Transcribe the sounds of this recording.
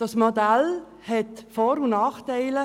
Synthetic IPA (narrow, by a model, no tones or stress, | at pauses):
d̥ɑsmod̪al | hɛt̪fɔːɾunɑːχt̪ɛɪlə